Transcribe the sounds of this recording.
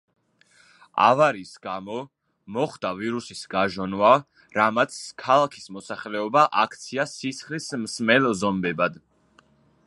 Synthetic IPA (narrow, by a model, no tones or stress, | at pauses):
a̰vaɾisɡamɔ | mɔχd̪aviɾusisɡaʒɔnva | ɾamat̪skʰalˠakʰi̥smɔsaχlɛɔbaʔakʰt̪sʰiasʰisχlismsmɛlzɔmbɛbad̪